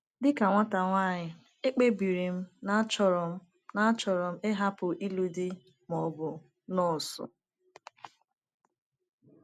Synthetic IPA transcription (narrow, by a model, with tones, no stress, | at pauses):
dɪ˦ka˨ŋʷa˦ta˨ŋʷa˦˨ɲɪ˨ | e˦k͡pe˦bi˨ɾi˨m̩˦na˦t͡ʃɔ˦ɾɔ˨m̩˦ | na˦t͡ʃɔ˨ɾɔ˨m̩˦e˦ɦa˦pʊ˨ʔi˦lu˦di˦ | mɔ˨bʊ˨ | nɔ˦˨sʊ̰˨